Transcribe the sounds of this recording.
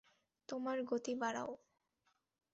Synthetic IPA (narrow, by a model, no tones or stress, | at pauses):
t̪omaɾɡot̪ibaɽa̰o